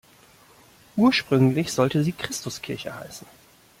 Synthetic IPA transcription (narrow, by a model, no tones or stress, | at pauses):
ʔuːɐʃpʁ̥ʏŋlɪçz̥ɔltəziːkʁ̥ɪstʊskʰɪɐçəha̰ɪsn̩